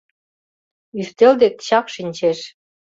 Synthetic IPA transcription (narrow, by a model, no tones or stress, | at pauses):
yst̪eld̪ek̪̚ɕɑkʃinʲt͡ɕeʃ